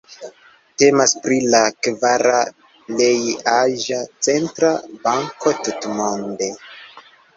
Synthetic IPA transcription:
te̞maspɾilakvaɾa | lejaʒat͡se̞ntɾabaŋko̞tutmo̞nde̞

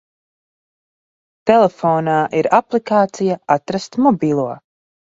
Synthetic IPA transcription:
t̪ɛlefoːnaːʔiɾaplikaːt̪sijaat̪ɾast̪mɔbiːlˠuɔ

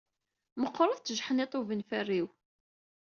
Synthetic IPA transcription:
məqːɾˤəðˤt͡s̪əʒħənet̪ˤːuvənfærːiw

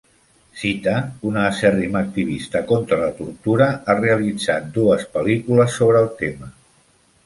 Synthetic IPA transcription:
sit̪əunaːsɛrimək̚t̪iβ̞ist̪əkɔnt̪ɾələt̪uɾt̪uɾəareəlid͡zat̪̚d̪uəspəlikuləsːoβɾəːlˠt̪emə

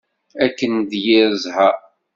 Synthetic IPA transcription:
ækːənd̪jɪɾəzhæ

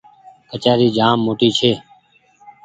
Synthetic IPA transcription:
ət͡ʃaːɾiːd͡ʒaːmːoːʈiːt͡ʃʰeː

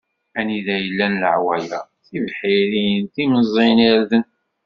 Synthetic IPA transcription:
æniðæjəlːænləʕwæjæ | θivħiɾinθiməzˤiniɾðən

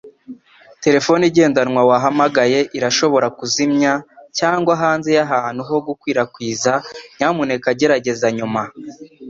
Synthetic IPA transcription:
te̞ɾe̞fo̞niɟe̞ːndanŋwawaɦamaɡaje̞ʔiɾaʃo̞βo̞ɾakuzimɲacaːŋɡwaɦaːnze̞jaɦaːn̥huɦo̞ɡukwiːɾakwiːzaɲaːmune̞kaɟe̞ɾaɟe̞zaɲuma

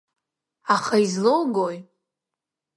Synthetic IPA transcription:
aχaizlowɡoj

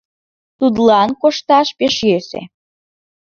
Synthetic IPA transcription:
t̪ud̪lɑnkoʃt̪ɑʃpeʃjøsḛ

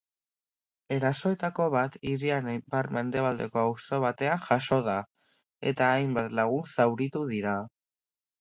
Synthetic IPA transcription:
e̞ɾaso̞e̞t̪ako̞βat̪iɾianbaɾme̞nd̪e̞β̞ald̪e̞̰ko̞awso̞β̞at̪e̞aŋʝaʃo̞ða | e̞̰t̪aːjmbat̪laɣ̞unsawɾit̪uðiɾa

